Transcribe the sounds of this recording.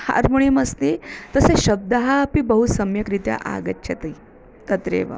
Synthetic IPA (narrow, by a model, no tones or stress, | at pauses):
ha̰ɾmoɳ̃imɐst̪it̪əseɕɐb̚d̪aɦapibəɦusɐmjɐkɾit̪ja̰ʔa̰ɡətːɕʰɐt̪ɐi | t̪ɐt̪ɾḛʋə̰